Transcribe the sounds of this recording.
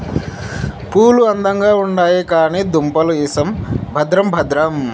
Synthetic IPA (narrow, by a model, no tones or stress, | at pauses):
puːluɐnd̪ɐŋɡaːuɳɖaːjikaːniːd̪umpɐluisɐmbʱɐd̪ɾɐmbʱɐd̪ɾɐm